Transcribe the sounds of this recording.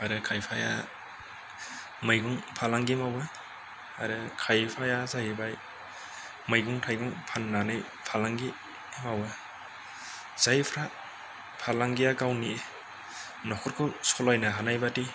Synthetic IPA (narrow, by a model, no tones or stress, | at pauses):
aɾɯkʰajpʰaja̰ | mɯjɡuŋpʰalaŋɡimawa | aɾɯkʰajpʰajazaɦibaj | mɯjɡuŋtʰajɡuŋpʰanːanaj | pʰalaŋɡi | mawa | z̥ajpʰɾa | pʰalaŋɡijaɡawni | nɔkʰɔɾkʰɯsɔlajnaɦanajbati